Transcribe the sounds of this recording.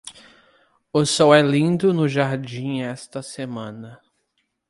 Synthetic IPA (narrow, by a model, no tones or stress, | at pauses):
ʊsɔwɛlĩd̪ʊnʊʒaɾd͡ʒĩɛst̪ɐsemɐ̃nɐ